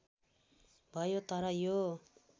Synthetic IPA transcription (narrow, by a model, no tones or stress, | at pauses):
bʱʌjot̪ʌɾʌjo